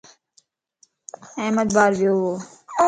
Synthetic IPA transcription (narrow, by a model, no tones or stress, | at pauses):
ɛːməd̪̚baːɾʋjoːɦʋoː